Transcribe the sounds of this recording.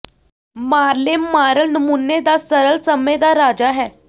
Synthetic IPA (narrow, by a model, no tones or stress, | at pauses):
maɾlemːaɾəlnəmunːed̪asəɾəɭsəmed̪aɾad͡ʑaɦɛ